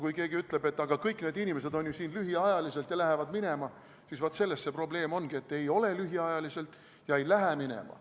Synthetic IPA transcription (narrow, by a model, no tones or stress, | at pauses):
kujke̞ːɡiyt̪ːˑle̞be̞t̪ːˑɑɡ̥ɑkɤjkːˑne̞ːd̪inʲime̞se̞d̪o̞nʲjusiːnlyɦiɑjɑlise̞lt̪jɑlæɦevɑd̪mine̞mɑ | sisvot̪se̞lːe̞st̪sepro̞ble̞ːmo̞nɡ̥ie̞t̪ːe̞jo̞le̞lyɦiɑjɑlise̞lt̪ːˑ | jɑejlæɦæminḛmɑ̰